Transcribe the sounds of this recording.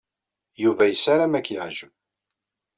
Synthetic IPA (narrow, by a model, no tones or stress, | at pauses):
juvæjəsaɾamækːjəʕʒə